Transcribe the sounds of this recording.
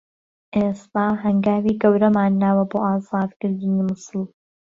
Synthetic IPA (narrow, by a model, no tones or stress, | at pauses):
ʔeːst̪aːɦɐŋɡaːwiːɡɐwɾɐmaːnːaːwɐboːʔaːzɑːd̪kɨɾd̪ɨniːmʊsɨlˠ